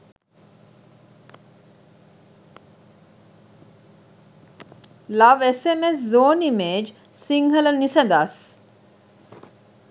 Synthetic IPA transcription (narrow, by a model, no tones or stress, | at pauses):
lɐʋesemeszoːnimeːd͡ʒ | siŋɦɐlɐnisɐd̪as